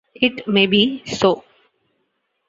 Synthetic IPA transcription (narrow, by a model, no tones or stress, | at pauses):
ɪʈmeːbisoː